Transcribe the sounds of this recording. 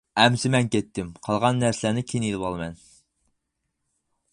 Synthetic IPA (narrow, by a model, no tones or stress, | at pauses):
ɛmsɪmɛnkʲɛt̪ʰːɪmqʰɑlˠʁɑnːæɾsɪlænɪkʲʰinjilˠɨpɑlˠmɛn